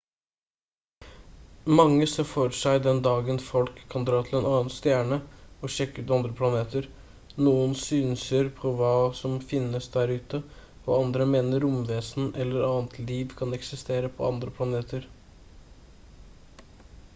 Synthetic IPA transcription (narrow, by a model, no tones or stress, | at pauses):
mɑŋːəsɔfɔɾʂæɪd̪ɛnd̪ɑːɡənfɔlkʰːɑnd̪ɾɑːt̪ʰɪlɛːnɑːnst̪jæːɳəɔʃɛkːʉːt̪ɑnd̪ɾəpʰlɑneːt̪əɾ | nuːənsyːnsəɾpʰɔʋɑːsɔmfɪnəsd̪æːɾʉːt̪ə | ɔ̰ɑnd̪ɾəmeːnəɾʊmʋeːsnʔɛlːəɾɑːnt̪ʰliːʋkʰɑnɛksɪst̪eːɾəpʰɔ̰ɑnd̪ɾəpʰlɑneːt̪ʰəɾ